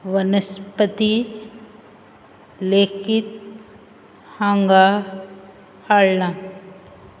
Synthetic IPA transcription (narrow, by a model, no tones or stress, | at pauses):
ʋɐnɐspət̪i | leːkʰit̪̚ | hãːŋɡa | haːɭnã